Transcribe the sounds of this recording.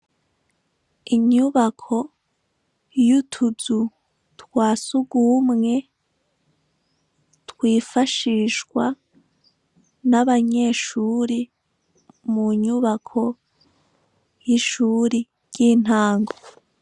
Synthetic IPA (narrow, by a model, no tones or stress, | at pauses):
iɲuβakʰo̞ | jutʰuzu | twaːsuɡuːmŋe̞ | twiːfaʃiʃɡwa | naβaɲe̞ːʃuɾi | muɲuβakʰo̞ | jiʃuːɾi | jiːn̥aːŋɡo